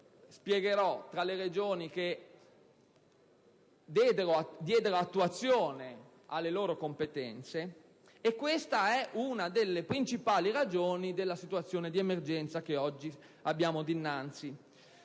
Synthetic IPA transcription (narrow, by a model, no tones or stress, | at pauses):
spjɛɡeɾɔt̪ːɾaleɾed͡ʒoːnik̟e | d̪ɛd̪eɾod̪jɛːd̪eɾoat̪ːuat̪sːjoːne | alːeloːɾokompet̪ɛnt̪se | ekːwest̪aɛʔunad̪elːepɾint͡ʃipaːlirad͡ʒoːnid̪elːasit̪uat̪sːjoːned̪iemerd͡ʒɛnt̪sakeɔd͡ʒːi | abːjaːmod̪inːant̪si